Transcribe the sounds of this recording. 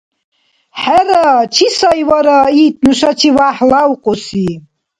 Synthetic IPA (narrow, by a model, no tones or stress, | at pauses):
ħaɾat͡ʃʰisajwaɾait̪ʰnuʃat͡ʃʰivaħlawqʼɔsi